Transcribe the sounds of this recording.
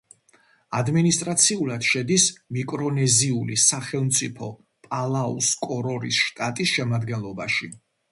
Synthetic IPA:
ad̪minist̪ʼɾat̪sʰiulˠad̪̥ʃɛd̪ismikʼɾɔnɛziulisaχɛlˠmt̪sʼipʰɔ | pʼalˠaṵskʼɔɾɔɾisʃt̪ʼat̪ʼisʃɛmad̪ɡɛnlˠɔbaʃi

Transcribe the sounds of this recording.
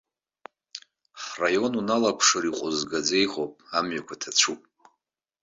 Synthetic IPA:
frajo̞nunalakʷʰʂɨɾiqʷʼʊzɡad͡ze̞jʁopʼamɥakʷʰatʰat͡ʃʷʰupʼ

